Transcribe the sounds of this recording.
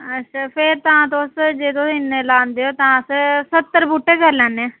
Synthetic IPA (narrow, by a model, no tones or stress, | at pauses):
ətːʃʰaːpʰɪɾt̪ãːt̪õsd͡ʒed̪õːɪneːlãːnd̪eːoːt̪ãːəssət̪ːəɾbuʈːeːkəɾlɛ̃ːnːeɛ̃ː